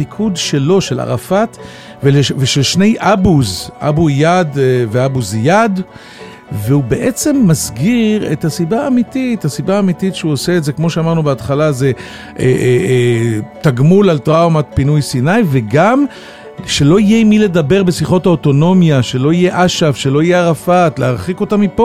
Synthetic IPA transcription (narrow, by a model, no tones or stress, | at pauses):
ikʰudʃe̞lo̞ʃe̞la̰ʁa̰fat̪ | veleveʃe̞lʃne̞jʔabuzʔa̰bujad̪veabuzjad̪ | veube̞ʔe̞t͡se̞mːazɡiʁethasibaːmitithasibaːmititʃeuoseːtze̞kmo̞ʃeamaʁnubeatχalaze̞ | ʔeʔ | taɡmulalt̪ʁawmat̪̚pinujsinajveɡam | ʃe̞lo̞ijemile̞d̪abe̞ʁbesiχo̞thaoto̞no̞mjaʃe̞lo̞ije̞ʔaʃavʃe̞lo̞ijeaʁafatleaʁχiko̞tamipo